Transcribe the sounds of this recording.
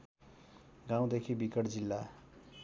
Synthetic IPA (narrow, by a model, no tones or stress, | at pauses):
ɡãw̃d̪ekʰibikʌʈd͡zilːa